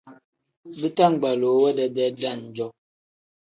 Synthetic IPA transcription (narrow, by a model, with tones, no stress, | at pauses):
bi˦ta˦˨ŋ˨ɡ͡ba˨lo˨wɛ˦dɛ˨dɛ˦da˦˨n̩˨d͡ʒɔ˦